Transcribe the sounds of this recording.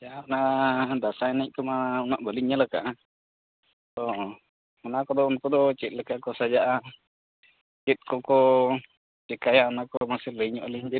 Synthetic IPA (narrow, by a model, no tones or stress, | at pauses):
d͡ʒaʔanad̪asaɛnɛc̚ˀkəmaunaʔbəliɲaləka̰ʔ | t̪ɔ | ɔnakɔd̪ɔunkɔd̪ɔt͡ʃɛt̪̚ləkakɔsad͡ʒaʔa | t͡ʃɛt̪̚kɔkɔ | t͡ʃɛkajaɔnakɔmasɛləɲɔʔliɲd͡ʒɛ